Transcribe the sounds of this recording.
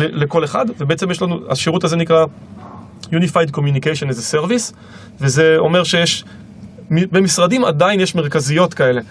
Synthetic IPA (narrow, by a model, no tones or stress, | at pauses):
leleko̞leχa̰dvebe̞et͡semjeʃ̬lanua̰ʃiʁutaze̞nikʁa | junifajd̚ko̞mjunikejʃonlezese̞ʁvis | veze̞o̞me̞ʁʃe̞jeʃ | mibemisʁadima̰dainjeʃme̞ʁkazijo̞t̪kae̞le̞